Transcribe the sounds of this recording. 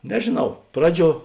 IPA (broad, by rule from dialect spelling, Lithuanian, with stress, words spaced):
nʲɛʒʲeːˈnɐʊ ˈprɑːˌd͡ʒʲuɔ